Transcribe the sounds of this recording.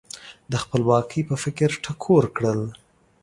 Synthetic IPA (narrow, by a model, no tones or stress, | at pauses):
d̪əxpəlwɑkʰəjpəfɪkɾʈʰakʰoɾkɽəl